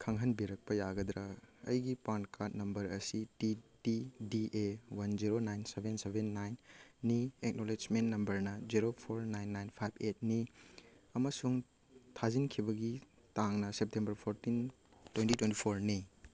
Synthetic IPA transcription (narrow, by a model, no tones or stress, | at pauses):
kʰɐŋɦɐnbiɾɐk̚pɐjaɡɐd̪ɾɐɐ̰jɡipankat̚nɐmbɐɾɐsititidiʔewɐnziɾonajnsebʱensebʱenːajnːiek̚noled͡ʒmenːɐmbɐɾnɐziɾopʰoɾnajnːajnpʰajbʰet̚ni | ɐmɐsuŋ | tʰazinkʰibɐɡi | taŋnɐsep̚tembɐɾpʰoɾtin | twentitwentipʰoɾni